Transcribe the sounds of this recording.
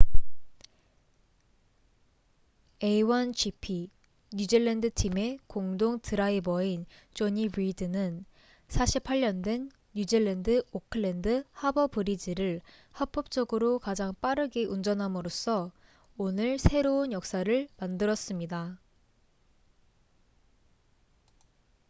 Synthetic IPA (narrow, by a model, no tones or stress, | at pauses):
e̞iwʌnt͡ɕʰipʰi | ɲud͡ʑiɭːendɯtʰime̞koŋdoŋtɯɾaibʌint͡ɕoɲibidɯnɯn | sʰaɕʰipʰaɭːʌndwe̞nː | ud͡ʑiɭːendɯokʰɯɭːendɯhabʌbɯɾid͡ʑiɾɯɭ | hʌp͈ʌp̚t͡ɕ͈ʌɡɯɾokad͡ʑaŋp͈aɾɯɡeʔund͡ʑʌnɦamɯɾos͈ʰʌ | onɯɭsʰe̞ɾounjʌk̚s͈aɾɯɭmandɯɾʌs͈ɯmɲida